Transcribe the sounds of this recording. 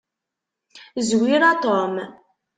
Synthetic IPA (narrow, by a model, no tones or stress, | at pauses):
zwiɾat̪om